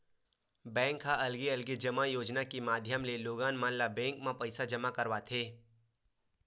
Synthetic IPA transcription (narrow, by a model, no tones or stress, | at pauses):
bɛ̃ːŋkːaʔɐlɡiɐlɡid͡ʒɐmajoːd͡ʒnakimaːd̪ʱjəmleloːɡaːnmaːnlabɛ̃ːŋkmãpɐɪsad͡ʒɐmakɐɾʋat̪ʰeː